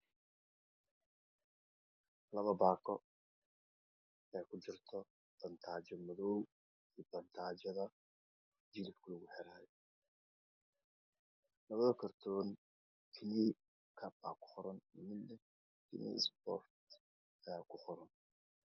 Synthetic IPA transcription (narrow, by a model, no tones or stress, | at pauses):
lɐβɐbaːkʰɔ | ɛjkʰʊt͡ʃɪrt̪ʰɔ | b̥ɐnt̪ʰaːt͡ʃɐmɐðɔw | iːbɐnt̪ʰaːt͡ʃɐðɐ | d͡ʒɪlɪfkʰʊlʊɣʊħɛɾaːjɛ | lɐβɐðɐkʰɐrt̪ʰɔːn | kʰɪni | kʰɐba̰ːkʰʊ̥χɔɾɐnmɪnːɛ | kʰɪ̰nḭsbɔrt̪ | ɐjaːkʰʊχɔɾɐn